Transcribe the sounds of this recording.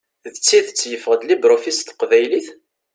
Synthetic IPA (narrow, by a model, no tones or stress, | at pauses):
ðət͡sːiθət͡sːjəfəʁəd̪libɾofist̪qvæjliθ